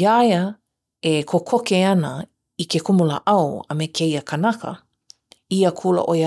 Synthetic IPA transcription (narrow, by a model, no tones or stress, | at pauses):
jajə | ekʰokʰokeɐnə | ikekumula̰ʔɐwɐ̰mekʰejəkʰanakə̰ | iəkʰulə̰ʔoj